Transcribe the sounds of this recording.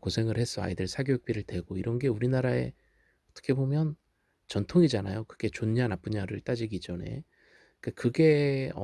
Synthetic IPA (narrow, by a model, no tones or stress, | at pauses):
kosʰe̞ŋɯɭhe̞s͈ʰʌa̰jidɯɾsʰaɡojuk̚p͈iɾɯɭdwe̞ɡoiɾʌnɡe̞uɾinaɾae̞̰ | ʌt͈ʌ̥kʰe̞bomjʌn | t͡ɕʌntʰoŋid͡ʑanajokɯɡe̞t͡ɕoɲanap͈ɯɲaɾɯɭt͈ad͡ʑiɡid͡ʑʌne̞̰ | k͈akɯɡe̞ʌ̰